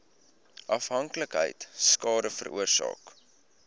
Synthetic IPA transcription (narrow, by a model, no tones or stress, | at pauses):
ʔɐfɦɐŋkləkɦə̰jtskɑːdəfə̰rṵərsɑ̰ːk